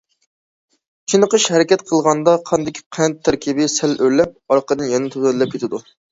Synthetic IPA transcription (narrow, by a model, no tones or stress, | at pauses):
t͡ʃʰinəqəʃhɛɾɪkʲɛt̪qʰəlˠʁɑnd̪ɑqʰɑnd̪ɪkʲʰi̥qʰænt̪ʰːæɾkʲʰibɪsɛlølːɛp̚ɑɾqəd̪ɨnjɛnɪt̪ʰuzɛlɛp̚kʲet̪ʰɪd̪u